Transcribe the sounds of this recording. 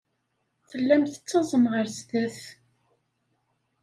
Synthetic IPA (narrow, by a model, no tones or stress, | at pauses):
θəlːæmθə̥t͡sːɑzˤəmʁəɾzðæθ